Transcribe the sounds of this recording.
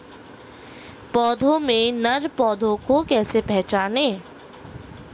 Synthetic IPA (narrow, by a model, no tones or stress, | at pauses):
pɔːd̪ʱõmẽnɐɾpɔːd̪ʱõkokɛːsepɛɦt͡ʃaːneː